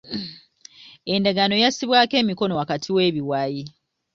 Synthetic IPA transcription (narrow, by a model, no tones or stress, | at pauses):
e̞ndaɡano̞jasiβwaːke̞ːmiko̞no̞wakatʰiwe̞ːβiwaji